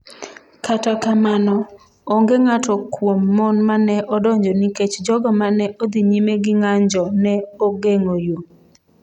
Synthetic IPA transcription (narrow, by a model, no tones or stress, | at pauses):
katakamanɔ | oŋɡeŋatɔkwomːɔnmanɛʔɔdɔɲd͡ʒɔniket͡ʃd͡ʒɔɡɔmanɛʔod̪iɲimeɡɪŋaɲd͡ʒɔnɛoɡeŋojo